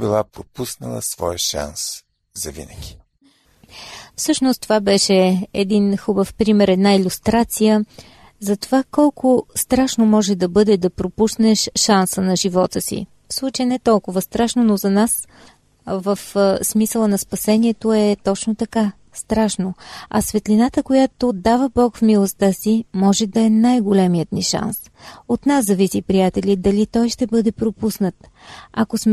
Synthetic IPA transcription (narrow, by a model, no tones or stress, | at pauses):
bilˠapɾopusnɐ̰lˠə̰svɔjəʃa̰ns | zɐvḭnəɡʲi̥ | fsɤʃnost̪ovabɛʃɛɛd̪inxubəfpɾimɛɾɛd̪nailʲust̪ɾat̪sijə | zɐt̪ovakɔlˠkʊst̪ɾaʃnomɔʒɛd̪ɐbɤd̪ɛd̪ɐpɾopusnɛʃʃansənɐʒivɔt̪əsḭ | fslˠut͡ʃəjənɛt̪ɔlˠkʊvəst̪ɾaʃnonozɐnas | vəfsmisəlˠənɐspɐsɛniɛt̪oɛt̪ɔt͡ʃnot̪ɐka | st̪ɾaʃnoɐ̰svɛt̪linat̪əkojat̪od̪avəbɔkfmilˠost̪asimɔʒɛd̪ɐɛnajɡolʲɛmijət̪niʃa̰ns | ot̪naszɐvisipɾijat̪ɛlʲid̪ɐlit̪ɔjʃt̪ɛbɤd̪ɛpɾopusnət̪ | ɐkosmɛ